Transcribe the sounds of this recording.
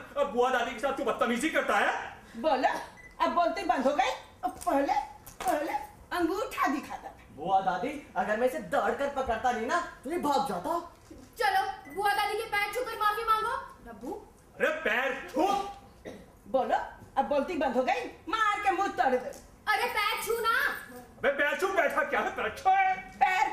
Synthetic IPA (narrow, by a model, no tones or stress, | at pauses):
ɐbuad̪aːd̪ikesaːt̪̚ʰːubɐt̪ːanid͡ʒikɐɾt̪aɦɛː | boːlo | ɐbboːlt̪ibɐ̃nd̪ʱɦoɡəi | ɔpəɦlepəɦle | ɐ̃ŋɡuʈʰad̪ɪkʰaːt̪a | buad̪aːd̪iɐɡəɾmɛ̃ːsed̪əːɽkəɾpɐkəɾt̪aninat̪uɦibʱɔːt̪̚d͡ʒaːt̪aɦo | t͡ʃɐlobuad̪aːd̪ikepɛːɾt͡ʃʰũk̪əɾmaːfimãːŋɡoːɾɐbu | ɐɾepɛːɾt͡ʃʰũː | boːloɐboːlt̪ibɐ̃nd̪ʱɦoɡɐimaːɾkemʊt̪ɐɾd̪ | ɐɾepɛːɾt͡ʃʰũːnaɐbepɛːɾt͡ʃʰuːpɛːʈʰakjaːɦet̪ɐɾəkt͡ʃʰoɛpɛːɾ